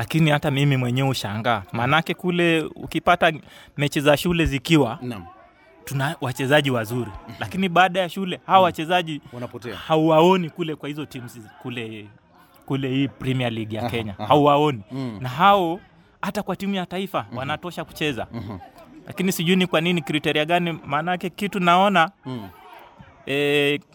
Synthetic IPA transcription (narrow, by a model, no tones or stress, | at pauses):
lakinihatamimimwɛɲɛuʃaŋɡaːmaːnakɛkulɛṵkipatamɛt͡ʃizaʃulɛzikiwan | tunawat͡ʃɛzaʄiwazuɾilakiniɓaːɗajaʃulɛhawɔwat͡ʃɛzaʄiwnpɔtɛhauwaɔnikulɛkwahizɔtimuskulɛ | kulɛhiːpɾimialiɠijakɛɲahauwaɔninaɦaɔ | hatakwatimujataifawanatɔʃaku̥t͡ʃɛza̰ | la̰kinisiʄuinikwaninikɾitɛɾiaɠanimaːnaakɛkitunaɔna | ɛ